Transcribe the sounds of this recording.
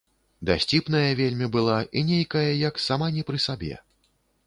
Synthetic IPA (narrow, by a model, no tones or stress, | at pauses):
d̪asʲt͡sʲipnɐjɐvʲelʲmʲibɨlˠaʔinʲejkɐjɐjɐksamanʲɛpɾɨsabʲɛ̰